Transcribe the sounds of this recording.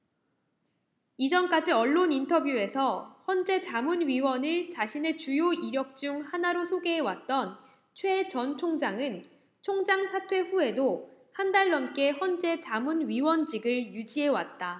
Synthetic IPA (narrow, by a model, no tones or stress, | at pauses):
id͡ʑʌnk͈ad͡ʑiʌɭːonintʰʌbjue̞sʰʌhʌnd͡ʑe̞t͡ɕamunɥiwʌnɯɭt͡ɕaɕʰine̞t͡ɕujoiɾjʌk̚t͡ɕ͈uŋhanaɾosʰoɡe̞ɦewat̚t͈ʌn | t͡ɕʰwe̞ɭt͡ɕʌnt͡ɕʰoŋd͡ʑaŋɯn | t͡ɕʰoŋd͡ʑaŋsʰatʰwe̞ɸuɦe̞dohandaɭːʌmk͈e̞hʌnd͡ʑe̞t͡ɕamunɥiwʌnd͡ʑiɡɯɭjud͡ʑiɦe̞wa̰t̚t͈a